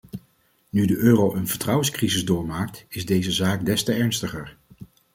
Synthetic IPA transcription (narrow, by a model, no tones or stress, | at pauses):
nydəʔøːrowʔənvəɹtrʌwənskrizɪzdʊːɹmaːk̚tɪzdejzəzaːk̚dɛstəɛɹnstəχəɹ